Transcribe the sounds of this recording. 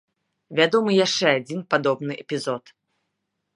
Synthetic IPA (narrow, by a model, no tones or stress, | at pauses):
vʲad̪ɔmɨjaʂt͡ʂɛad͡zʲinpad̪ɔbnɨʔɛpʲizɔt̪